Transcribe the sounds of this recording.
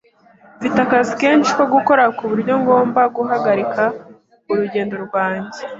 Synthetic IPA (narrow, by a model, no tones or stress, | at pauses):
vitakazike̞ːnʃi̥ko̞ɡuko̞ɾakuβuɾɟo̞ŋɡo̞ːmbaɡuɦaɡaɾika | uɾuɟe̞ːndo̞ɾɡwaːɲɟe